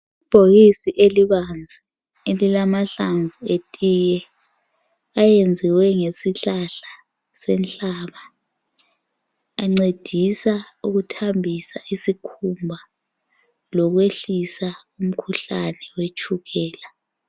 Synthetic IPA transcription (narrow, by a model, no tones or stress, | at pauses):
ib̥ʱoɣisiʔeliβand͡zʱi | elilamaɬaɱvuetʼijɛ | ajend͡zʱiwɛŋesiɬaɬa | sɛnɬʼaːβa | ŋ͡ǀed̥ʱisauɣutʰambʱisaisikʰumbʱa | lɔɣ̬weɬisa | um̩kʰuɬanɛwet͡ʃʼʰuɣɛːla